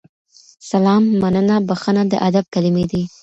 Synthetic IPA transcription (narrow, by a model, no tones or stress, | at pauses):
salɑmːanənabaxənad̪ə̰ʔad̪ab̚kalɪmed̪i